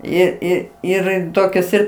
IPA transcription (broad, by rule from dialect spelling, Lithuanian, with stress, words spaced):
ˈɪr ˈɪr ˈɪr ˈtoːkʲɛs ˈɪr